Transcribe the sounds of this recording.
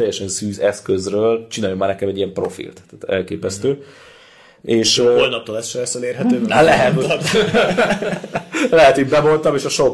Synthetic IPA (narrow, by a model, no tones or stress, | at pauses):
ɛjːɛʃɛnsyːzɛskøzrøːlt͡ʃinaːjomːaːrnɛkɛmɛɟːiɛmpro̞fḭlt̪ːaːt̪ɛ̰lkeːpɛst̪øː | eːʃojnɒp̚t̪oːlɛsʃɛɛsɛneːrɦɛt̪øːalɛɦɛt̪ | lɛɦɛt̪iːmbɛmo̞nt̪ɒmeːʃɒʃok